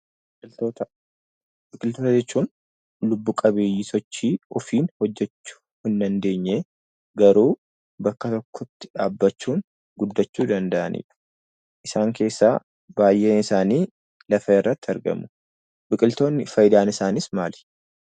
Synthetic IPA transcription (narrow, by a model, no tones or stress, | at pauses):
bʼɪlt̪oːt̪ɐ | bɪkʼɪlt̪o̞ːt̪ɐd͡ʒɛt͡ʃːuːn | lʊbːuːkʼɐbeːjisɔt͡ʃːiːɔfiːnhɔd͡ʒːɛt͡ʃːʊ̥ | hɪnd̪ɐnd̪e̞ːɲːeː | ɡɐɾuː | bɐkːɐt̪ɔkːɔt̪ːɪ̥ᶑaːbːɐt͡ʃːuːn | ɡʊd̪ːɐt͡ʃːuːd̪ɐnd̪ɐʔɐnʔḭːᶑɐ̥ | ʔɪsaːŋke̞ːsːa̰ː | baːjʔeːnɪsaːniː | lɐfɐɪrːɐt̪ːɪɐɾɡɐ̰mʊ | bɪkʼɪlt̪o̞ːnːɪfɐjɪd̪aːnɪsaːnɪsmaːlɛ̥